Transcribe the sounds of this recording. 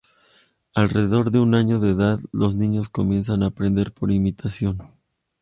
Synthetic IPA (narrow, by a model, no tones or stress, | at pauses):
alre̞ðeðo̞ɾðe̞unaɲo̞ðeːðaðlo̞znĩɲo̞sko̞mje̞ns̬anaːpɾe̞nd̪e̞ɾpo̞ɾimit̪ʰasjo̞n